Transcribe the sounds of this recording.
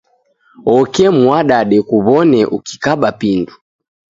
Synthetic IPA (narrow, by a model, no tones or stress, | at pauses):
ɔkɛmuwaɗaɗɛkuβɔnɛʔukikaɓapindu